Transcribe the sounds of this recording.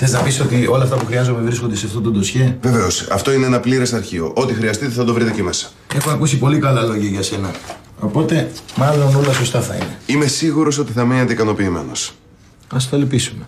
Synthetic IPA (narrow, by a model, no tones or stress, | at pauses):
θe̞znɐpiso̞t̪io̞lɐft̪ɐpuxɾiɐzo̞mevɾiskond̪e̞sft̪ot̪ud̪usçeve̞ve̞o̞sɐ̰ft̪o̞ineenɐpliɾesɐɾçio̞̰ʔo̞t̪ixɾiɐst̪it̪eθɐd̪o̞vɾit̪eceme̞sɐ̥ | e̞xoɐkusipo̞likɐlɐlo̞ʝɐʝɐse̞nɐ | o̞po̞t̪e̞mɐloono̞lɐso̞st̪ɐθɐḭne̞ime̞siɣuɾo̞s̬o̞t̪iθɐminent̪eikɐno̞piːme̞̰no̞̰s | ɐst̪olpisume̞